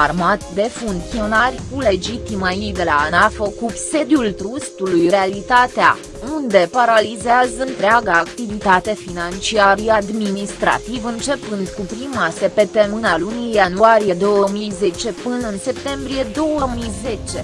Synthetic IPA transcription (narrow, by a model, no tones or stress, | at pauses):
armat̪d̪e̞fuŋk̚t̪sio̞narʲkule̞d͡ʒit̪imajejd̪e̞laːnafəkupse̞d̪jult̪ɾust̪ulujrealit̪at̪ea̰ | und̪e̞paɾalizeazəɨnt̪ɾeaɡaːkt̪ivit̪at̪e̞finant͡ʃiaɾijad̪minist̪ɾa̰t̪ivɨnt͡ʃe̞pɨnd̪kupɾimase̞pe̞t̪emɨnalunijanuaɾije̞d̪o̞wəmijze̞t͡ʃe̞pɨnəɨnse̞p̚t̪e̞mbɾije̞d̪o̞wəmijze̞t͡ʃe̞